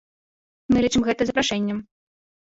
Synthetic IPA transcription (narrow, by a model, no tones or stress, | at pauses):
mɨlʲit͡ʂɨmɣɛt̪ɐzɐpɾaʂɛnʲːɐm